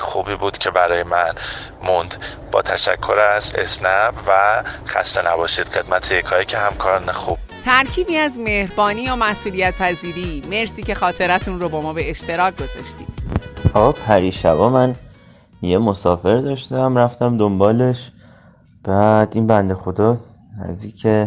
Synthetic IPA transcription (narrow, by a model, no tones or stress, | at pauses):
xṵːbiːbuːd̪̥cʰe̞bæɾɒːjemæn | mund̪̥ | b̥ɒ̰ːt̪ʰæʃæ̰kʰːo̞ɾæsḛsnæbvæxæ̰st̪enæbɒːʃiːd̪̥xe̞d̪mæt̪ʰejekʰɒːjecʰehæmkʰɒːɾnexuːb̥̚ | t̪ʰæɾcʰiːbiːæzme̞hɾbɒːniːomæsʔuːlijæt̪̚pʰæziːɾiːme̞ɾsiːce̞xɒːt̪ʰe̞ɾæt̪ʰunrobɒːmɒːbe̞eʃt̪e̞ɾɒːɡ̚ɡo̞zɒ̰ʃt̪ḭːd̪̥ɒːɣɒːpʰæɾiːʃævɒːmæn | jemo̞sɒːfe̞ɾd̪ɒːʃt̪æmɾæft̪æmd̪ombɒːle̞ʃ | b̥æd̪inbænd̪e̞xo̞d̪ɒː | næ̰zd̪iːcʰe